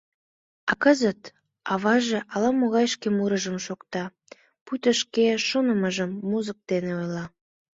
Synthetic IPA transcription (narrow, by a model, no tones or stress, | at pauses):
ɑkəzət̪ | ɑβɑʒeʔɑlɑmoɣɑjʃkemuɾəʒəmʃokt̪ɑ | put̪əʃkeʃonəməʒəmːuzək̚d̪̥eneojlɑ